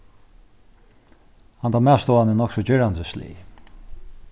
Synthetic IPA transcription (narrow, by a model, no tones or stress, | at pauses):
hant̪amæːst̪ɔːanənɔksɔd͡ʑɛɾand̪əslḭː